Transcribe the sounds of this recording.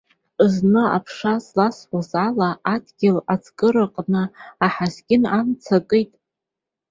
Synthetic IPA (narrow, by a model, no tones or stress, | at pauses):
znɨa̰pʰʂaslasħʷazalaadɡʲɪlat͡sʰkʼɨɾɨqʼnɨːħazɡʲɪnamt͡sʰakʼɨjtʼ